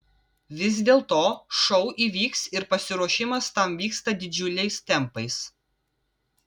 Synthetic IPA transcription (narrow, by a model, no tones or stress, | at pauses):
ʋʲɪz̬d̪ʲeːlˠt̪oːʃɔʊʔiːʋʲiːksɪɾpɐsʲɪɾuɔʃʲɪmɐst̪ɐmʋʲiːkst̪ɐd̪ʲɪd͡ʒʲʊlʲɛɪst̪ʲɛmpɐɪs